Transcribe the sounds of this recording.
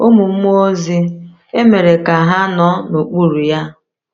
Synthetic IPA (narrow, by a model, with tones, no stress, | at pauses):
o˦mu˨m̩˦o˦zi˦ | e˦me˨ɾe˨ka˨ɦa˦nɔ˦no˨k͡pu˦ɾu˨ja˦